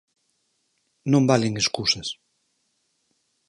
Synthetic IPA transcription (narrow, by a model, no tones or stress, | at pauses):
nõmbaleŋeskusɐs